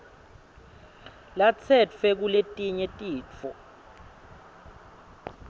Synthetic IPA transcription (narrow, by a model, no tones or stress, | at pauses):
lat͡sʰɛt͡fʰɛk̬uletʼiɲɛtʼiːt͡fʰɔ